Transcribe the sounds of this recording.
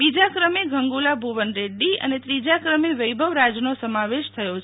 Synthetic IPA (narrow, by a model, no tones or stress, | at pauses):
bid͡ʒakɾəmeɡʱəŋɡulabʱuʋənɾeɖːiə̰net̪ɾid͡ʒakɾəmeʋəjbʱəʋɾad͡ʒnosəmaʋeʃt̪ʰəjot͡ʃʰ